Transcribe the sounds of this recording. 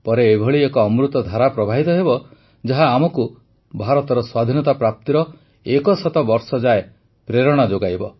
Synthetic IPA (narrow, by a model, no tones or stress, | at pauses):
pɔɾeːbʱɔɭiekɔːmɾut̪ɔd̪ʱaɾapɾɔbʱaɦit̪ɔɦebɔ | d͡ʒaɦaːmɔku | bʱaɾɔt̪ɔɾɔswad̪ʱinɔt̪apɾap̚t̪iɾɔ | ekɔsɔt̪ɔbɔɾsɔd͡ʒae | pɾeɾɔɽ̃ɔd͡ʒoɡajbɔ